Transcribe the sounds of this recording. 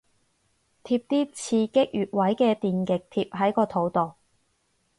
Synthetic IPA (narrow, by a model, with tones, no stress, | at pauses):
t̪ʰiː˧p̚t̪iː˥t͡sʰiː˧kɪ˥k̚jyː˨t̚wɐ˨˥jkɛː˧t̪iː˨nkɪ˨k̚t̪ʰiː˧p̚ɦɐ˨˥jkɔː˧t̪ʰo˨˥wt̪o˨w